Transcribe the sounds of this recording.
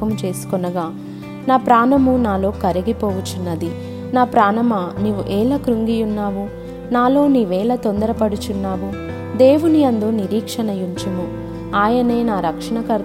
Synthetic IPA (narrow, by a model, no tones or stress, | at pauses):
ɐmut͡ʃe̞ːsu̥kɔnɐɡaː | naːpɾaːnɐmunaːlo̞ːkɐɾiɡipɔːʋut͡ʃunːɐd̪i | naːpɾaːnɐmɐniːʋuʔɛːlɐkɾuŋɡijunːaːʋu | naːlo̞ːniːʋɛːlɐt̪ond̪ɐɾɐpɐɽut͡ʃunːaːʋu | d̪e̞ːʋunijɐnd̪oːniɾiːkʂɐnɐjuɲt͡ʃɐmu | aːjɐne̞ːnaːɾɐkʂɐɳɐkɐɾ